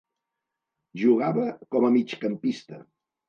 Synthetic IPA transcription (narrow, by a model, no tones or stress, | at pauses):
ʒuɣ̞aβəkɔməmit͡ʃkəmpist̪ə̰